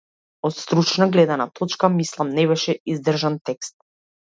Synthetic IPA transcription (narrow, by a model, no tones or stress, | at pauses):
ɔt̪st̪ɾut͡ʃnaɡlɛd̪anat̪ʰɔt͡ʃkamislˠamnɛβɛʃɛizd̪r̩ʒant̪ɛkst̪̚